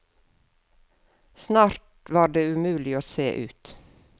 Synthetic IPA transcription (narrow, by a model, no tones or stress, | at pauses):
snɑːɾt | ʋɑːɖeːʉmʉːlɪoːseːʔʉ̰ːt̪